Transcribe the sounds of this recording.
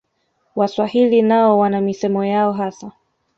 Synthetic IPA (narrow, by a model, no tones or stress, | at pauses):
waswahilinaɔwanamisɛmɔjaɔɦasa